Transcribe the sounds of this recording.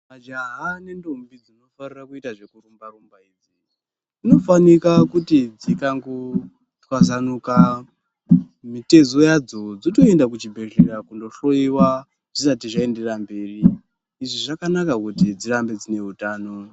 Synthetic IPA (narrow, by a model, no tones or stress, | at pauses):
mad͡ʒaɦane̞ndombid͡zino̞farirakuitaʐe̞kurumbarumbaid͡zi | ino̞fanikakutid͡zikaŋɡo | twazanuka | mite̞zojad͡zo̞d͡zito̞endak̬ut͡ʃibʱe̞rerakundo̞ɬo̞iwa | ʐisatiʐae̞nde̞rambe̞ːriː | ʐiʐakanakakutid͡zirambe̞d͡zine̞ɦutaːno̞